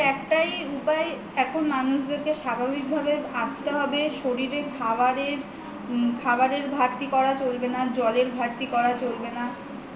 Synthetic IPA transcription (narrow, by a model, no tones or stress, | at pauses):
ɛkʈajupae | ɛkʰonmanuʃd̪eɾkeʃabʱabik̚bʱabeast̪eɦɔbeʃoɾiɾekʰabaɾeɾ | kʰabaɾeɾbʱaɾt̪ikɔɾat͡ɕolbenad͡ʑɔleɾbʱaɾt̪ikɔɾat͡ɕolbena